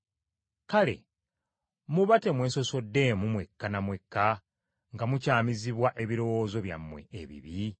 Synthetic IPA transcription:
kale̞̰ | muβate̞mwe̞ːnso̞so̞dːe̞ːmumwe̞kːanamwe̞kːa | ŋɡamucaːmiziβwaʔe̞βiɾo̞wo̞ːzo̞βja̰mːwe̞̰ḛβḭβi

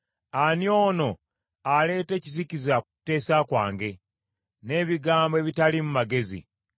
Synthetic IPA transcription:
anijo̞ːno̞ | ale̞ːte̞ːcizicizḁ | te̞ːsakwaːŋɡe̞ | ne̞ːβiɡaːmboe̞ːβitalimumaɡe̞zḭ

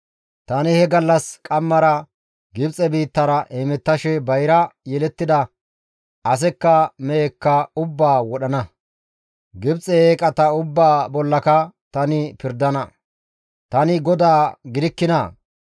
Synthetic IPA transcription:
t̪ɐnɪhɛɡɐlːɐskʼɐmːɐɾɐ | ɡɪbt͡sʼɛbiːt̪ːɐɾɐʔɛmɛt̪ːɐʃɛbɐjɾɐjɛlɛt̪ːɪd̪ɐ | ɐs̬ɛkːɐmɛɛkːɐʊbːaːwɔɗɐnɐ | ɡɪbt͡sʼɛeːkʼɐt̪ɐʊbːaːbɔlːɐkɐt̪ɐnɪpɪɾd̪ɐnɐ | t̪ɐnɪɡɔd̪aːɡɪd̪ɪkːɪnɐ

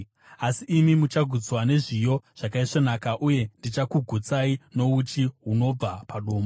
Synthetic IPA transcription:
asiʔːmimut͡ʃaɡʱud͡zwane̞ʐijo̞ʐ̥akaiʂonakaʔuje̞ndit͡ʃakuɡʱut͡saino̞ut͡ʃiɦuno̞b͡vapaɗoːmo

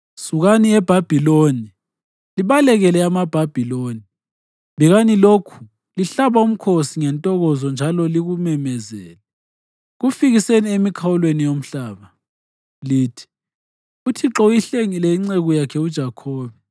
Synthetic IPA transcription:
suɣaniɛb̥ʱab̥ʱiloni | liβalɛɣɛlɛamab̥ʱab̥ʱiloni | βiɣanilokʰu̥ | liɬaβaum̩kʰosiŋɛntʼɔɣɔzɔnd͡ʒʱalɔliɣumɛmɛzɛ̰ːlɛ | ɣufiɣiseniemikʰawulwenijom̩ɬaːβa | liːtʰi̥ | utʰiǁɔujiɬeŋilɛiŋ͡ǀeɣujakʰɛud̥ʒ̥ʱakʰoːβɛ

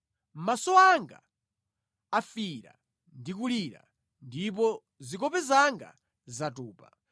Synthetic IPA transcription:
masɔaŋɡa̰ | afiɾa̰ | ndik̬uliɾa̰ | ndip̬ɔ | zikɔpɛzaŋɡa̰ | zatuːpa

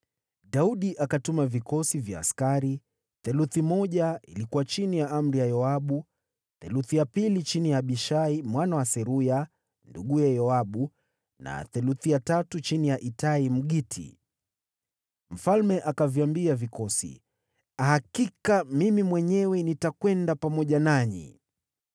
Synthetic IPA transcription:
ɗauɗiʔakatumavikɔsivja̰ːskaɾi | θɛluθimɔʄaḭlikuwat͡ʃinijaʔam̩ɾijajɔaɓu | θɛluθijapilit͡ʃinijaɓiʃaimwanawasɛɾuja | nduɠujajɔaɓu | na̰θɛluθijatatut͡ʃinijaʔitaim̩ɠitʰḭ | m̩falmɛʔakaviambiavikɔsḭ | ahakikamimimwɛɲɛwɛnitakwɛndapamɔʄanaɲḭ

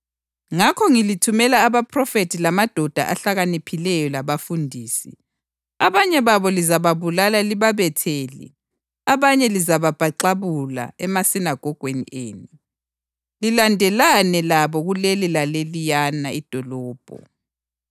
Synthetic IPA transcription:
ŋakʰɔŋilitʰumɛlaːβapʰrɔfetʰilamad̥ʱɔd̥ʱa̰ʔa̰ɬaɣanipʰilɛjɔlaβafundʱiːsḭ | aβaɲɛβaβɔlizaβaβulalaliβaβɛtʰeːlḭ | aβaɲɛlizaβab̥ʱaǃaβula̰ɛmasinaɡ̥ʱɔɡ̥ʱwenḭeːnu | lilandʱɛlanɛlaβɔɣulelilalelijanaid̥ʱɔlɔːb̥ʱɔ̰

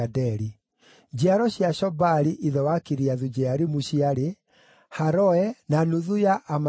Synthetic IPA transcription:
adɛɾi | d͡ʑiaɾɔɕjaɕɔbaɾiʔiðɛwakiɾiaðud͡ʑɛaɾimuɕiaɾe | haɾɔɛnanuðujaʔːma

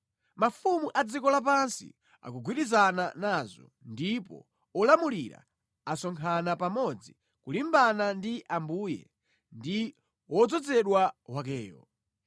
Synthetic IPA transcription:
mafumuʔad͡zikɔlap̬ansḭ | a̰kuɡwiɗizananaːzɔ̰ | ndipɔ̰ | ɔlamuliɾa̰ | asɔŋkʰanapamɔd͡zi | kulimbanandiʔambuːjɛ̰ | ndi | wɔd͡zɔd͡zɛɗwaɦwak̬ɛːjɔ̰

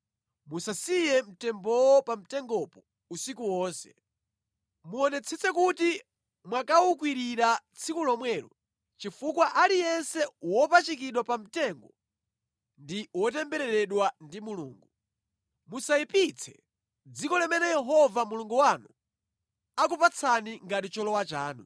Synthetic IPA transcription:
musasijɛm̩tɛmbɔwɔpam̩tɛŋɡɔpɔ | usikuwɔːnsɛ̥̰ | muɔnɛt͡sʰɛt͡sɛkuti | mwakawukwiɾiɾat͡sʰikulɔmwɛːɾɔ̰ | t͡ʃifukwaʔaɾijɛnsɛwɔpat͡ʃikiɗwapam̩tɛŋɡɔ | ndiwɔt̬ɛmbɛɾɛɾɛɗwandimulṵːŋɡu | musaipit͡sʰɛ | d͡zikɔlɛmɛnɛjɛɦɔvamuluŋɡuwanu | ak̬upat͡sʰaniŋɡatit͡ʃɔlɔwat͡ʃaːnṵ

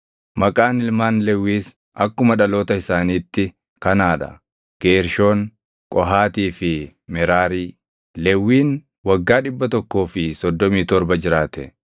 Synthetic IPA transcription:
mɐkʼaːnɪlmaːnlɛwːiːs | ɐkːʊmɐᶑɐlo̞ːt̪ɐɪsaːniːt̪ːɪ | kɐnaːᶑɐ̰ | ɡ̥eːɾʃo̞ːŋ | kʼɔɦaːt̪iːfɪ | mɛɾaːɾiː | lɛwːiːn | wɐɡːaːᶑɪbːɐt̪ɔkːo̞ːfɪsɔd̪ːɔmiːt̪ɔɾbɐd͡ʒɪɾaːt̪ɛ

